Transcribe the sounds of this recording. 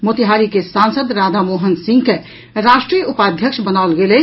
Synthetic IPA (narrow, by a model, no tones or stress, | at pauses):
mot̪iɦaɾikesansəd̪ɾad̪ʱamoɦənsĩŋɡke | ɾasʈɾijupad̪ʱjəkʃbənaʊlɡele